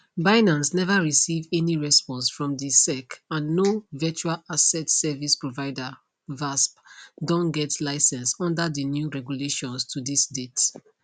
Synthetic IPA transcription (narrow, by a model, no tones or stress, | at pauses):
baɪnãnsnɛvaɹisivɛniɹɛspɔ̃nsfɹɔ̃mdisɛkãnːovɛt͡ʃalasɛtsɛvispɹovaɪda | vaspdɔ̃nɡɛtlaɪsɛ̃nsɔ̃ndadinjuɹɛɡjuleʃɔ̃nstʰudisdet